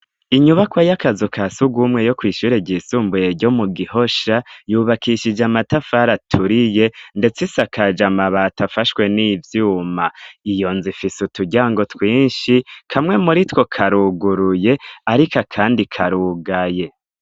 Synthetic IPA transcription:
iɲuβakwajakazokʰasuɡumŋe̞jo̞kwiːʃuɾeɟisuːmbujeɾɟo̞muɡiho̞ʃajuːβakʰiʃid͡ʒamatafaɾatʰuɾije̞nde̞t͡sisakʰad͡ʒamaβatafaʃwe̞niːvjuːmaijo̞nzifisutuɟaːŋɡo̞twiːnʃikʰamŋe̞muɾitwo̞kʰaɾuɡuɾuje̞aɾikakʰaːndikʰaɾuɡaje̞

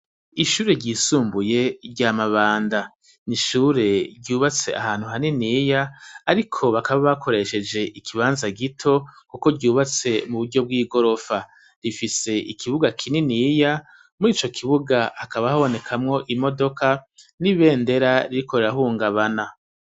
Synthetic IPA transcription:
iʃuːɾe̞ɾɟiːsuːmbuje̞ɾɟamaβaːnda | niʃuːɾe̞ɾɟuːβat͡se̞̰ʔa̰haːn̥huɦaninijaːɾikʰo̞βakaβaβakʰo̞ɾe̞ʃe̞d͡ʒe̞ʔikʰiβaːnzaɡitʰo̞kuko̞ɾɟuːβat͡se̞muβuɾɟo̞b̚ɡiːɡo̞ɾo̞fa | ɾifise̞ʔikʰiβuɡakʰininija | muɾiːt͡ʃo̞kʰiβuɡaːkaβahaβo̞ne̞kʰamŋo̞ʔimo̞do̞kʰaniβe̞ːnde̞ɾaɾiɾiko̞ɾe̞ɾaɦuːŋɡaβana

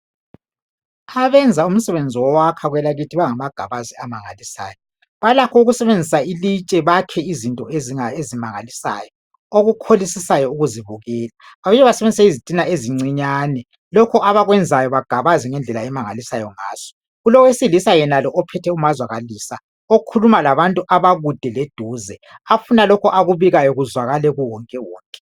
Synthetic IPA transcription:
aβɛnd͡zʱaum̩sɛβend͡zʱiwɔwakʰaɣwɛlaɣitʰiβaŋamaɡ̥ʱaβaziamaŋa̰lisa̰ːjɔ | βalakʰɔuɣusɛβend͡zʱisailit͡ʃʼɛβakʰɛizintʼɔeziaezimaŋalisa̰jɔ | oɣukʰolisisajɔuɣuziβuɣɛːla | βaβɛɛβasɛβend͡zisaizitʼinaeziŋ͡ǀiɲanɛ | lɔkʰɔʔaβaɣwɛnd͡zʱajɔβaɡ̥ʱaβaziŋɛnd͡ɮʱɛlaɛmaŋalisajɔŋa̰ːz̥ɔ̥ | ulɔwesilisajɛnalɔʔɔpʰɛtʰɛumazwaɣaliːsa | okʰulumalaβantʼuʔaβaɣud̥ʱɛled̥ʱuːzɛafunalɔkʰɔʔaɣuβiɣajɔɣuzwaɣalɛɣuwɔŋkʼɛwɔːŋkʼɛ̥

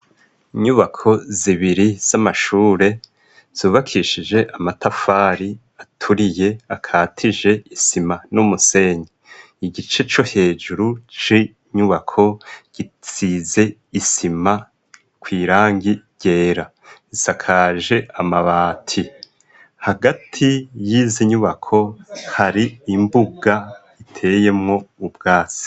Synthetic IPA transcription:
iɲuβakʰo̞ziβiɾiz̥amaʃuːɾe̞ | z̥uːβakʰiʃid͡ʒe̞ʔamatafaːɾi | atʰuɾije̞akʰaːtʰiʒe̞isimanumuse̞ɲi | iɡit͡ʃe̞t͡ʃo̞he̞ːd͡ʒuɾut͡ʃi | ɲuβakʰo̞ɟ̥it͡size̞ | isima | kwiːɾaːŋɡiɾɟ̥e̞ːɾa | isakʰaːʒe̞ʔamaβaːtʰi | haɡatʰijiːziɲuβakʰo̞haɾiːmbuɡa | itʰe̞je̞mŋo̞ubɡaːsi̥

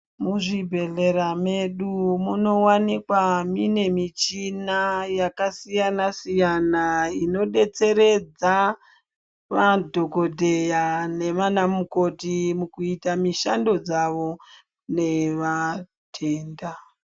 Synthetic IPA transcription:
muʐibʱe̞ɮe̞ɾame̞ɗumuno̞wanikwamine̞mit͡ʃinajakasijanasijanaino̞ɗe̞t͡se̞ɾe̞d͡za | ʋadʱo̞ko̞dʱe̞jane̞manamuko̞timukuitamiʃando̞d͡zaʋo̞ | ne̞ʋa | tʰe̞ːnda

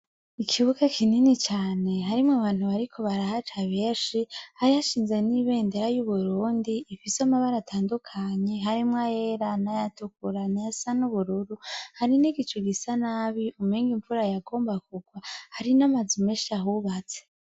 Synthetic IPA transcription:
ikʰiβukakʰininit͡ʃaːne̞ɦaɾimŋaβaːn̥huβaɾikʰo̞βaɾahat͡ʃaβeːʃihaɾihaʃiːnzeniβe̞ːndeɾajuβuɾuːndiʔːfisamaβaɾatʰaːndukʰaɲe̞ɦaɾimŋajeɾanajatukuɾanajasanuβuɾuɾuhaɾiniɡit͡ʃoɡisanaːβiʔumiːŋɡiɱfuɾajaɡo̞ːmbakuɡwahaɾinamazumeʃaɦuβat͡se̥

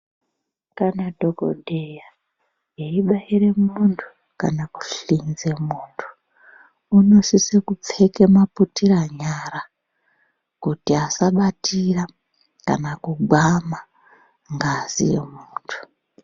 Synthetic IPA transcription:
kanadʱo̞ko̰dʱeja | jeiɓaire̞muntʰu̥ | kanaku̥ɬinze̞muːntʰu̥ | uno̞sisekup͡fe̞kemaputiraɲaɾa | kutiasaɓatira | ka̰nakuɡʱwama | ŋɡaːzḭjḛmuːntʰu̥

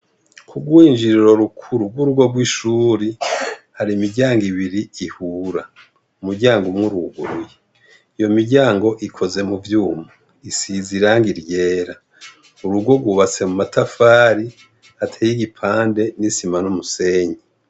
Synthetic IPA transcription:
kʰuɡwiːnd͡ʒiɾiɾo̞ɾukʰuɾuɡwuɾuɡwo̞ɡwiːʃuːɾihaɾimiɟaːŋɡiβiɾiihuːɾa | umuɟaːŋɡomŋuɾuɡuɾuje | ijo̞miɟaːŋɡo̞ʔikʰo̞ze̞muvjuːmo | isiziɾaːŋɡiɾje̞ːɾa | uɾuɡwo̞ɡwuːβat͡se̞mumatafaːɾi | hatʰeːjiɡipʰaːnde̞nisimanumuseːɲi

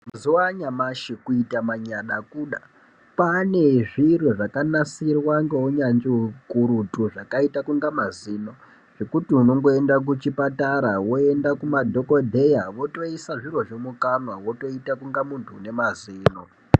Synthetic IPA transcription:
mazuwaɲamaʃikuitamaɲaɗakuːɗa | pane̞ʐiroʐakanasirwaŋɡeɦuɲand͡ʒikuɾutuʐakaitakuŋɡamaziːno | ʐ̥e̞kutiuno̞ŋɡo̞endak̬ut͡ʃipataɾawo̞e̞ndakumadʱo̞ko̞dʱe̞jaʋo̞to̞isaʐiro̞ʐemukanwawoto̞itakuŋɡamuntʰuːne̞maziːno

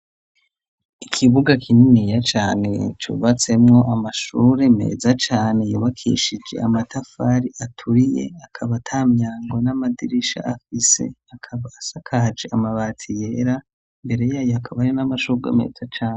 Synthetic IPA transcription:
ikʰiβuɡakʰininijat͡ʃaːne̞̰t͡ʃṵβat͡se̞mŋo̞ʔamaʃuːɾe̞me̞̰ːzat͡ʃaːne̞juβakʰḭːʃid͡ʒe̞̰amatafaɾiʔatʰuɾije̞̰akʰaβatʰamɲaːŋɡonamadiɾiʃa̰afise̞̰akʰaβaːsakʰaad͡ʒeamaβaːtʰije̞ɾa | mbe̞ɾe̞jaːjoakʰaβajonamaʃuɡḛme̞̰ːzat͡ʃaːne

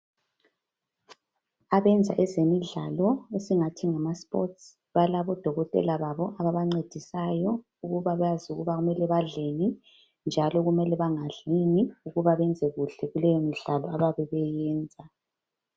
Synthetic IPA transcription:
aβɛnd͡zʱa̰ʔɛzemiɮalɔesiŋatʰiŋamaspʼɔ̰ts | βalaβɔd̥ʱɔɣɔtʼɛ̰laβaβɔʔaβaβaŋ͡ǀed̥ʱisajɔ | uɣuβaβɛjazuɣuβaɣumɛlɛβaɮeni | nd͡ʒʱalɔɣumɛlɛβaŋaɮiniuɣuβaβɛnd͡zʱɛɣuɬɛɣulɛjɔmiɮalɔaβaβɛβɛjɛːnd͡zʱa

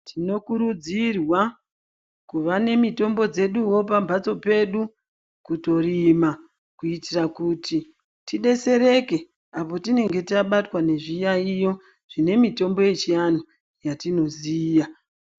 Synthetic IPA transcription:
tʰino̞kuɾud͡zirwa | kuʋane̞mito̞mbo̞d͡ze̞ɗuwo̞p̬ambʱat͡so̞pe̞ɗu | kuto̞rima | kuitirakuti | tiɗe̞se̞ɾe̞ke̞ | apo̞tine̞ŋɡe̞tiaɓatwane̞ʐijaijo̞ | ʐ̥ine̞mito̞mbo̞je̞t͡ʃijano | jatino̞zija

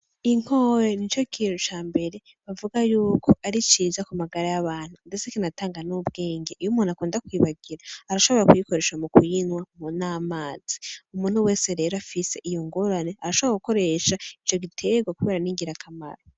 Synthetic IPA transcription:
iŋ̥ho̞ːɾenit͡ʃo̞kʰiːnut͡ʃaːmbe̞ɾe̞ | βavuɡajuːkʰo̞aɾit͡ʃiːzakumaɡaɾajaβaːn̥hundet͡sekinataːŋɡanub̚ɡe̞ːŋɡeʔijumuːnakuːndakwiːβaɡiɾaːɾaʃo̞βo̞ɾakujiko̞ɾe̞ːʃamukujinwamunaːmaːz̥i̥umuːnhuwe̞ːse̞ɾe̞ːɾoafise̞ʔijoŋɡoɾane̞aɾaʃoβakuko̞ɾe̞ʃait͡ʃo̞ɡitʰe̞ɡwakuβeɾaniŋɡiɾakʰama̰ɾo

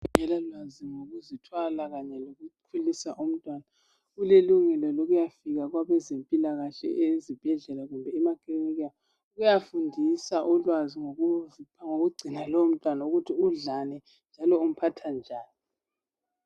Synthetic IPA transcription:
ɣuŋɛlalwaziŋoɣuzitʰwalaɣaɲɛloɣukʰulisaʔum̩tʼwana | ɣuleluŋɛlɔloɣujafiɣaɣwaβɛzempʼilaɣaɬɛ̰ʔezib̥ʱɛɮɛlaɣumbʱɛːmakʰʼiniɣa | uɣujafundʱisaʔɔlwaziŋoɣuŋoɣuɡ͡ǀʱinalɔom̩tʼwanauɣutʰiuɮanɛ | nd͡ʒʱalɔum̩pʰatʰand͡ʒʱaːni

